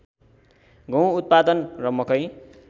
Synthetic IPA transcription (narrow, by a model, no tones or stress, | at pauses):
ɡʌ̃w̃ut̪̚pad̪ʌnrʌmʌkʌj